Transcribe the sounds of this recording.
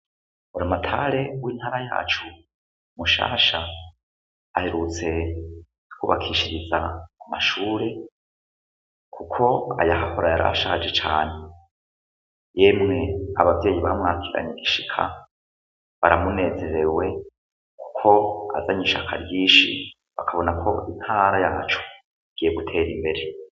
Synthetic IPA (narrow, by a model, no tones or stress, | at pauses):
uɾamatʰaɾe̞wiːn̥haːɾaja̰ːt͡ʃu | muʃa̰ːʃa | he̞ɾut͡se̞̥ | kuβakʰiʃiɾizaːmaʃuːɾe̞ | kʰukʰo̞a̰jaɦaho̞ɾajaɾa̰ʃad͡ʒe̞t͡ʃaːne̞ | je̞ːmŋe̞a̰βavje̞ːjiβamŋaːkʰiɾa̰ɲeɡiʃikʰa̰ | βaɾamune̞ːze̞ɾe̞we̞ | kʰu̥kʰo̞a̰zaɲiʃakʰa̰ɾjiːʃi | βakʰaβo̞nakʰo̞in̥haːɾajaːt͡ʃo̥ | ɡ̥ieɡutʰe̞ːɾimbe̞ɾe̞